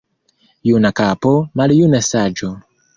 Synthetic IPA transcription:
junakapomaljunasad͡ʒo

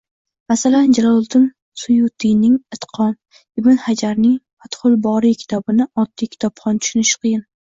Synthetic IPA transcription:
masaland͡ʒalɒlˠt̪ɪm | sʊjʊt̪ʰijnɪŋɨt̪qʰɒn | ɪbɪnhad͡ʒaɾnɪŋpʰat̪χʊlˠbɒɾikʲʰɪ̥t̪ʰɒbɪnɪɒt̪ːijkʲʰɪ̥t̪ʰɒpχɒnt̪ʰʊ̥ʃʊnɪʃɪ̥qʰɨjɪn

